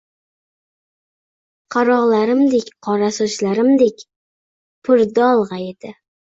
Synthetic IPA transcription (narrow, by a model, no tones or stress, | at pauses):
qʰɑɾɒʁlaɾɪmd̪ekʲqʰɒɾasʊʃlaɾɪmd̪ekʲ | pʰʊɾd̪aɒlˠʁɑed̪̥ɪ